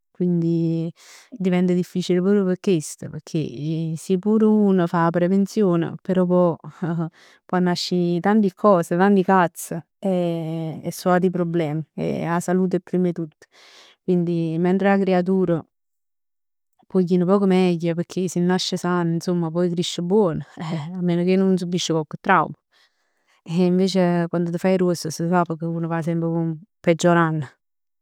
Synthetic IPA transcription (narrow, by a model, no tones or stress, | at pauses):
kwind̪i | d̪ivɛnt̪əd̪ifːiːt͡ʃilepɾɔːpɾjopeɾkːest̪əpekʰːḛsipːuːɾunəfaːpɾevent̪sjoːnə̰peɾɔpɔ | pɔnːaʃːit̪ant̪ikʰɔːset̪ant̪ikat̪sːə | eː | sːɔat̪ipɾoblɛːmiḛasaluːt̪̬epːɾimet̪ut̪ːə̥ | kwind̪imɛnt̪ɾelakɾeat̪̬uːɾə | pɔjkːinəpɔːkomɛɟːəpək̟ʰːesinːaʃːəsaninsomːapɔjkɾiʃːəbwɔːnəamːeːnok̟enːons̬ubːiʃːəkɔkːət̪ːɾawmə | eiɱveːt͡ʃekwand̪ot̪əfajɾosːəsəfapːɔkːeuːnofas̬ɛmpɾkumped͡ʒːoɾanːə